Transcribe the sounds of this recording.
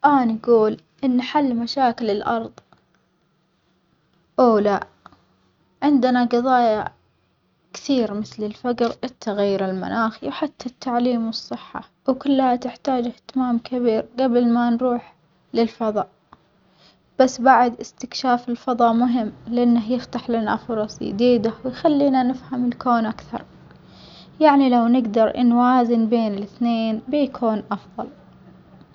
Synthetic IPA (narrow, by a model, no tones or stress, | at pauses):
ʔaːnɡuːl | ʔɪnːħalːmaʃaːkɪlɪlʔɑɾˤðˤ | ʔoːla | ʕɪnd̪naɡɑðˤɑːja | kθiːɾmɪθlɪlfad͡ʒɾʔɪt̪ʰːaɣajːʊɾɪlma̰nʔaːxiwħat̪ʰːat̪ːaʕliːmwɨsˤːɨħːa̰ | wkʊlːhat̪ɪħt̪aːd͡ʒɪht̪ɪmaːmkʰabiːɾɡabɪlmanɾuːħ | lɪlfɑðˤɑːʔ | b̥asːbaʕd̪ʔɪst̪ɪkʃaːfɪlfɑðˤɑːʔmʊɦɪmːlɪʔanːaɦjɪft̪aħlɪna̰fʊɾˤɑsˤjɪ̰d̪iːd̪awɪjxalːiːnanɪfhamɪlkoːnʔakθɑ̰ɾˤ | jaʕnilawnɪɡd̪ɑɾ̰ˤnwaːzɪnbeːnɪlɪθneːnbijkʰuːnʔɑfðˤɑl